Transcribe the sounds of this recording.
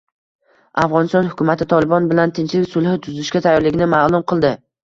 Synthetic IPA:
afʁɒnɪst̪ɒnhʊkʰʲʊmat̪ʰɪt̪ʰɒlˠɪbɒnbɪlant̪ʰɪnt͡ʃlɪkʲsʊlˠhɪt̪ʰʊzɪʃkʲat̪ʰajɒɾlɪɡʲɪnɪmaːlˠʊmqʰɨlˠd̪ɪ

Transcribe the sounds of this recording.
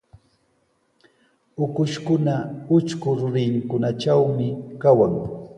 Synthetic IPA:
ʊkʊʃkʊnaʊt͡ʃkʊɾʊɾɪŋkʊnat͡ʃawmɪkawaŋ

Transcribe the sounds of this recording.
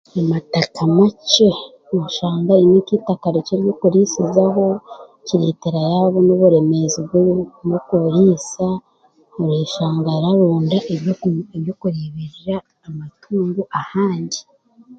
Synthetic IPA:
amatakʰamat͡ʃe | muʃaːŋɡainikitakaɾeceɾjokuɾisizaɦo̞ | ciɾiteɾajaːβonoβuɾe̞me̞zibɡunokuɾisa | uɾeʃaːŋɡaɾaɾuːndaʔeeβjokuɾiβeɾiɾaː | matʰuːŋɡuʔahaːɲɟi

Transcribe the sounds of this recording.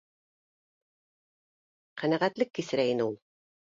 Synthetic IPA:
qænæʁæt̪lɘkːisɘ̆ɾæjinɘulˠ

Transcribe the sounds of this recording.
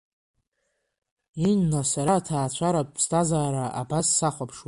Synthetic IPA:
inːasaɾatʰaːt͡ɕʷʰaɾapʼʰstʰʼazaːɾaʔa̰basːaχʷapʰʂw

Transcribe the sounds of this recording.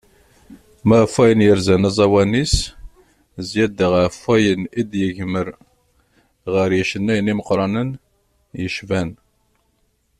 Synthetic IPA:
mæfæjənjəɾzænæzˤɑwænis | zjæd̪əʁafæjənid̪jəʝməɾ | ʁəɾjəʃənːæjəniməqɾˤɑnən | jəʃvæn

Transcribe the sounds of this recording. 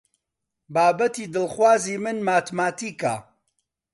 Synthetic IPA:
baːbɐt̪iːd̪ɨlχwaːziːmɨnmaːt̪maːt̪iːka̰

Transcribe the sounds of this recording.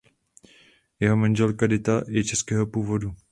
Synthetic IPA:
jɛɦomaɲd͡ʒɛlkadɪt̪ajɛt͡ʃɛskɛːɦopuːvodu

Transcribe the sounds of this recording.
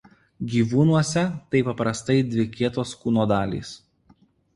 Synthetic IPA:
ɡʲiːʋuːnuɔsʲɛt̪ɐɪpɐpɾɐst̪ɐɪd̪ʲʋʲɪkʲiɛt̪oːskuːnoːd̪ɑːlʲḭːs

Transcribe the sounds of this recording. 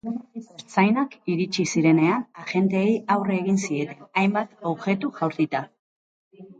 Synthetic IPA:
eɾt͡sajnakiɾit͡ʃisiɾe̞ne̞anaʝe̞nt̪eːjawreːɣinsie̞t̪e̞najmbat̪o̞βʝe̞t̪uʝawɾt̪it̪a

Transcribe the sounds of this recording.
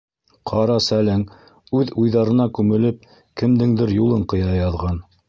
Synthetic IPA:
qʰɑɾɑsælæŋ | ʉðujðɑɾɤ̆nɑkʉmɘ̆lɘp̚ | kɘ̆md̪ɘŋd̪ɘɾjulˠɤɴqɤ̆jɑjɑðʁɑn

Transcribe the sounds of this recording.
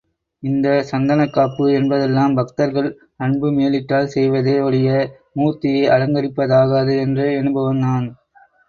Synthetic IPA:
ɪnd̪ɐsɐnd̪ɐnɐkːaːpːɯɛnbɐðɛlːaːmbɐkt̪ɐɾɣɐɭ | ɐɳbɯmeːlɪʈːaːlsɛjʋɐðeːɔɽɪjɐ | muːt̪ːɪjɐɪʔɐɻɐŋɡɐɾɪpːɐðaːɣɐðɯɛndrɯɛnɯbɐʋɐnd̪aːn

